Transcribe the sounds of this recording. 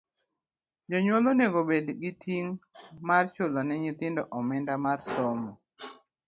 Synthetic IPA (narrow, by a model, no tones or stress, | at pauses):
d͡ʒɔɲwoloneɡobedɡitʰiŋmart͡ʃolɔnɛɲɪt̪ɪndɔʔɔmɪndamarsɔmɔ